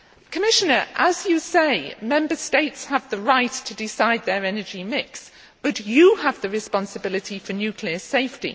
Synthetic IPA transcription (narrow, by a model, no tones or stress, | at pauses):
kʰəmɪʃənəɹʔəzjəseɪmɛ̃mbəsteɪtshəvðəɹaɪtʰədɪsaɪd̪̚ðəɹɛnəd͡ʒimɪks | b̥ʌt͡ʃəːvðəɹɪspɑ̃nsəbɪlɪtʰifənjʉˑkʰliəseɪftḭ